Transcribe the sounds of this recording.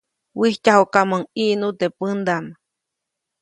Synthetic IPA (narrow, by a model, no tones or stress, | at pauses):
wihcahokamaŋiʔnut̪epɨnd̪ama